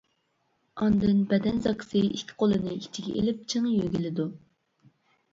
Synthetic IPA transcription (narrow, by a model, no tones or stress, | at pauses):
ɑnd̪ɨnbɛd̪ɛnzɑksɨikʲʰːi̥qʰolˠɨnɨit͡ʃʰiɡʲɛʔḛlɪp̚t͡ʃʰɨŋjøɡʲilɪd̪u